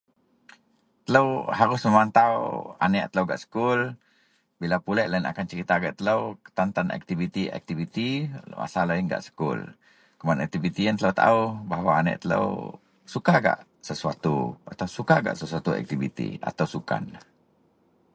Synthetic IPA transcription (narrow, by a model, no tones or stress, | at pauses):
t̪ələwɦaɾʊsməmant̪awa̰nɛʔt̪ələwɡa̰ʔsə̥kʊl | bilapulɛʔlaina̰kant͡ʃəɾit̪aɡaʔt̪ələwkə̥t̪ant̪anɛ̰k̚t̪ivit̪iɛ̰k̚t̪ivit̪imʔa̰salainɡa̰ʔsə̥kʊ̰l | kumanɛk̚t̪ivit̪iant̪ələwt̪a̰ubaɦawaːnɛ̰ʔt̪ələ̰w | sukaɡa̰ʔ | səsuat̪ṵat̪awsukaɡa̰ʔsəsuat̪uɛ̰k̚t̪ivḭt̪ḭa̰t̪ausuka̰n